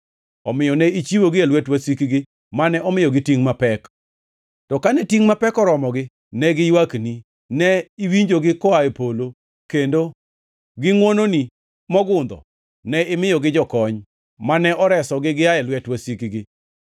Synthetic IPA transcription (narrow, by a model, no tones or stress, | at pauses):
ɔmɪjɔnɛit͡ʃiwoɡɪalwɛtwasikiɡɪ | manɛʔɔmɪjɔɡɪtiŋmapɛk | tɔkanɛtiŋmapɛkɔɾɔmɔɡɪ | nɛɡɪjwakni | nɛiwiɲd͡ʒoɡɪkɔaepolo | kendo | ɡɪŋwononi | mɔɡʊnd̪ɔ̰ | nɛɪmɪjɔɡɪd͡ʒɔkɔɲ | manɛʔɔɾɛsɔɡɪɡɪaɛlwɛtwasikiɡɪ